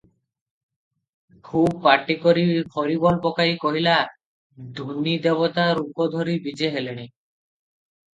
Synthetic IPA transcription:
kʰubpaʈːikoɾifʰɔɾibɔlpokaikoɦila | d̪ʱunid̪ɛβot̪aɾukod̪ʱoɾibid͡ʑeɦeleñi

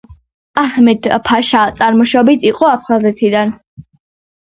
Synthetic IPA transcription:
ahmɛd̪̥pʰaʃat̪sʼaɾmɔʃɔbit̪ʰiqʼɔapʰχazɛt̪ʰid̪an

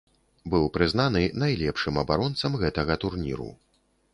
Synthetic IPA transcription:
bɨwpɾɨznanɨnajlʲɛpʂɨmɐbaɾɔnt̪sɐmɣɛt̪ɐɣɐt̪urnʲḭɾṵ

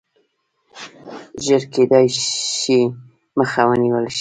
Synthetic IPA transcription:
ʒəɾked̪ɑjʃi | məxawəniwəlʃi̥

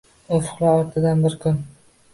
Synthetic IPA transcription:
ofʊ̥qlaɒɾt̪ʰɪd̪anbɪɾkʲʰʊn

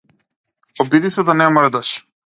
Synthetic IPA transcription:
ɔbid̪isɛd̪anɛmrɾd̪aʃ

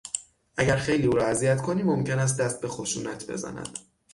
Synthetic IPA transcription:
ʔæɟæɾxe̞jliːuːɾɒːæzijæt̪kʰoniːmomcʰenæs̬t̪̚d̪æst̪̚be̞xo̞ʃuːnæt̪ʰbe̞̰zæ̰næ̰d̪̥

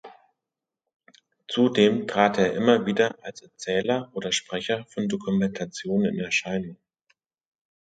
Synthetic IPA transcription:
t͡sudeːmtʁ̥aːteːɐʔɪmɐviːdɐʔalsɛɐt͡sɛːlɐʔoːdɐʃpʁ̥ɛçɐfɔndokumɛntʰat͡sjoːnənɪ̰nɛɐʃaɪnʊŋ

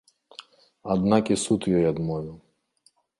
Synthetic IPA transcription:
ad̪nakisut̪jɔjad̪mɔju

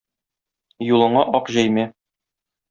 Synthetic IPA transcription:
julˠɤ̆ɴɑʔɒqʑæjmæ

